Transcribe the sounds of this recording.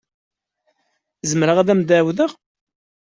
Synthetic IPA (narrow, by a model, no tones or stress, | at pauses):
zəmɾəʁæðæmd̪æwðəʁ